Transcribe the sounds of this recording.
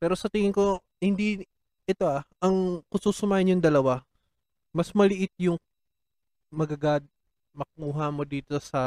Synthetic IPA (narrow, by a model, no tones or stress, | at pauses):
pɛːɾo̞sɐt̪ɪŋɪŋko̞ | hɪnd̪i | ɛt̪o̞ʔaʔɐŋkʊsuːsʊmaːhɪnjʊŋd̪ɐlɐwa | mɐsmɐlɪʔɪt̪̚jʊŋ | mɐɡɐɡad̪̚ | mɐk̚uːɦɐmo̞d̪iːt̪o̞sɐ